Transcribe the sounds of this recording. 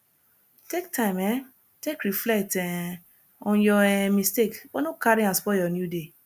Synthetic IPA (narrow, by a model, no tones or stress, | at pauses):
tektʰãɪ̃mɛ̃ | tekɾiflɛtɛ̃ | ɔ̃jɔɛmistekbɔnokaɾĩãsfɔjɔnjude